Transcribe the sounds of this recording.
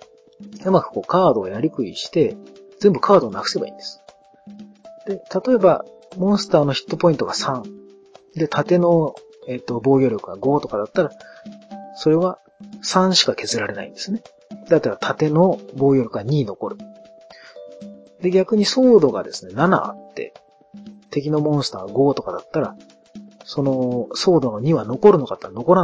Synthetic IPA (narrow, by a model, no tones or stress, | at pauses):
ɯ̟makɯ̟̥ko̞ːkaːd̪o̞ːjaɾʲikɯ̟iɕi̥t̪e̞ | d͡ze̞mbɯ̟kʰaːd̪o̞ːnakɯ̟se̞ba̰ḭ̃ːnd̪e̞sɨ̥ | d̪̥e̞t̪at̪o̞e̞ba̰ | mõ̞ɰ̃sɨ̥t̪aːno̞çʲi̥t̪ːo̞po̞ĩnt̪oɡasãɴ | d̪e̞t̪ʰat̪e̞no̞ | e̞t̪ːo̞bo̞ːɡʲo̞ːɾʲo̞kɯ̟ɡaɡo̞ːt̪o̞kad̪at̪ːaɾa | so̞ɾe̞βa | sãɰ̃ɕi̥kake̞zɨɾaɾe̞na̰ḭ̃nd̪e̞sɨne̞ | d̪at̪ːeβat̪ʰat̪e̞no̞bo̞ːjʲo̞ɾʲo̞kɡaɲ̟iːno̞ko̞ɾɯ̟ | d̪e̞ɡʲakɯ̟ɲ̟iso̞ːd̪o̞ɡa̰d̪e̞sɨ̥ne̞nana̰a̰t̪ːe̞̰ | t̪e̞k̬ʲino̞mõ̞ɰ̃sɨ̥t̪a̰ːaɡo̞ːt̪o̞kad̪at̪ːaɾa | so̞no̞so̞ːd̪o̞no̞ɲ̟iβano̞ko̞ɾɯ̟no̞kat̪ːeɾano̞ko̞ɾa